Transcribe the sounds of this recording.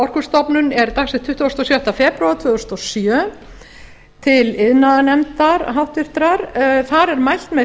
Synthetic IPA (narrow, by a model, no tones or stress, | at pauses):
ɔr̥kʏ̥st̪ɔpnʏnɛɾt̪aksɛt̪ʰːʏht̪ʏɔst̪ɔsjawht̪afɛːpɾawat̪ʰvœːðʏst̪ɔsjœː | t̪ʰɪlɪðnaðanɛmt̪aɾɦawht̪vɪr̥t̪ɾaɾθaɾɛɾmajl̥t̪mɛ